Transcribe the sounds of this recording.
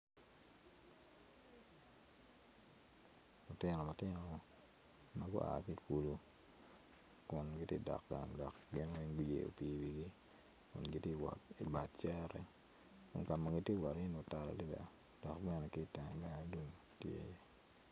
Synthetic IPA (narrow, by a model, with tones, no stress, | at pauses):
lʊ˨tɪ˦nɔ˨ma˨tɪ˦no˨ | ma˦ɡʊ̰˦ʔa̰˨ki˦ku˨lu˨ | kʊ˨nɡɪ˦tjḛ˦dɔ̰˨kɡa̰˨ŋdɔ˨kɡɪ˦n˦wi˦ŋɡu˦jḛ˨o̰˨pi˨wi˨ɡi˦ | kʊ̰˨nɡi˦te˦˨wɔ̰˨ti˨ba˨t̚t͡ʃɛ˦ɾɛ˦ | kʊ̰˦nka˨ma˨ɡi˦tje˦˨wɔ˨ɾi˦no˨˦ta˨ɾa̰˨li˦bɛ̰˨ | d̥ɔ˨kbɛ˦nɛ˨kɪ˦ta˨ŋ˨ɡa˦do˦˨tjḛ˦je˦